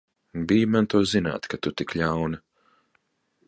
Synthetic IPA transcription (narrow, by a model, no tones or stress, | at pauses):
bijmant̪uɔzina̰ːt̪kat̪ut̪ikʎawna